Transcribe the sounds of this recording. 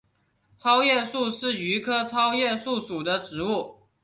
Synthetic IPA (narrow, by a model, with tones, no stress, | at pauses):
t͡sʰɑ˥ʊjɛ˥˧su˥˧ʂɻ̩˥˩y˧˥kʰɤ˥ʈ͡ʂʰɑ˥ʊjɛ˥˧su˥˩ʂu˨˩d̪ə˦ʈ͡ʂɻ̩˧˥u˥˩